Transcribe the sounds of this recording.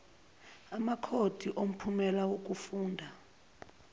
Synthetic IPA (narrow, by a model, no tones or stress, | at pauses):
amakʰod̥ʱiʔom̩pʰumɛlawok̬ʼufuːndʱa